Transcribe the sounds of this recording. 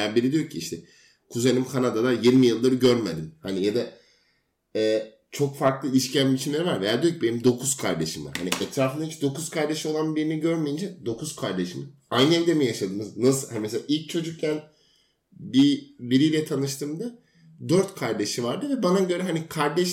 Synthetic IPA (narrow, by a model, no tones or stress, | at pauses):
ɛjaɾbiɾid̪ijoɾcʰiiʃt̪ʰɛ | kʰuzenimkʰanad̪alˠaɾjiɾmijɯlˠːaɾɯɟøɾmed̪inhanijad̪a | ɛː | t͡ʃʰo̞kfaɾklˠɯilʲiʃcʰæmbit͡ʃʰimnlʲeɾivaɾvɛjaɾd̪ijocʰibe̞nimd̪o̞kʰuz̥kʰaɾd̪e̞ʃima̰ɾhaniʔɛt̪ʰɾaːfɯnd̪ait͡ʃd̪o̞kuz̥kʰaɾd̪e̞ʃio̞lˠanbiɾiniɟø̞ɾmejind͡ʒɛd̪o̞kʰuz̥kʰaɾd̪eʃimɯ | ajnɛlʲd̪emijaʃad̪ɯːmɯznasɯlˠhanimɛs̬elʲaːʔilʲc̚t͡ʃʰo̞d͡ʒuk̚cʰæn | bibiɾijlʲɛt̪ʰanɯʃt̪ʰɯmd̪a | d̪øɾt̪kʰaɾd̪e̞ʃɯvaɾd̪ɯvɛbanaɟø̞ɾɛɦanikʰaɾd̪ɛʃ